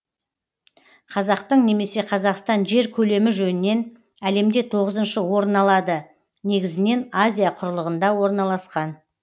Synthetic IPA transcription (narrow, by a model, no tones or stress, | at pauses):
qʰɑzɑqt̪əɴne̞me̞se̞qʰɑzɑqst̪ɑnʒe̞ɾkʲʰɵle̞mɪʒɵnɪnːe̞n | æle̞md̪e̞t̪ʰo̞ʁəzənʃəwo̞ɾənɑlˠɑd̪ə | ne̞ɡʲɪzɪne̞nazʲijaqʰʊɾəlˠəʁənd̪ɑwo̞ɾnɑlˠɑsqɑn